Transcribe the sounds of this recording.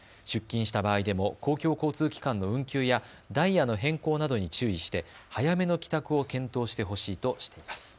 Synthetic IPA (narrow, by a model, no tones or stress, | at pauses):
ɕɨkʲːĩɰ̃ɕi̥t̪abaːid̪e̞mo̞ko̞ːkʲo̞ːko̞ːt͡sɨːkʲi̥kãnːo̞ɯ̟̃ŋkʲɨːja | d̪aijano̞ɦẽ̞ŋko̞ːnad̪o̞ɲ̟it͡ɕɨːiɕi̥t̪e̞hajame̞no̞kʲi̥t̪akɯ̟o̞kẽ̞nt̪o̞ːɕi̥t̪e̞ɦo̞ɕiːt̪o̞ɕi̥t̪e̞imasɨ̥